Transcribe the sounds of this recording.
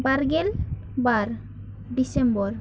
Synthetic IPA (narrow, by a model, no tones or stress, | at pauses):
baɾɡel | baɾ | ɖisembɔɾ